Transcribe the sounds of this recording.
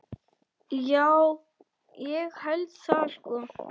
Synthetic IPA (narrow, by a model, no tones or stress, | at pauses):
jaːw | jɛɣhœɥlt̪saːl̥kɔ